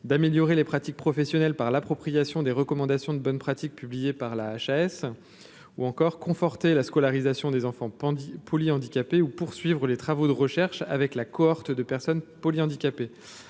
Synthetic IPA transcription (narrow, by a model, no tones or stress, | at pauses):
d̪ameljɔʁelepχat̪ik̚pχɔfɛsjɔnɛlpaʁlapχɔpχijasjɔ̃d̪eʁəkɔmɑ̃d̪asjɔ̃d̪əbɔnpχat̪ik̚pyblijepaʁlaːʃaɛs | uɑ̃kɔʁkɔ̃fɔʁt̪elaskɔlaʁizasjɔ̃d̪ezɑ̃fɑ̃pʰɔliɑ̃d̪ikʲapeupuʁsɥivʁəlet̪χavod̪əʁəʃɛʁʃa̰vɛklakɔɔʁt̪d̪əpɛʁsɔnpɔliɑ̃d̪ikʲape